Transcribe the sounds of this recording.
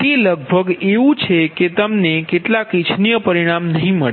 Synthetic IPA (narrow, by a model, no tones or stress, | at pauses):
t̪eləɡ̚bʱəɡeʋũt͡ʃʰeket̪əmnekeʈlakit͡ʃʰnijəpəɾiɽ̃amnəɦĩməɭe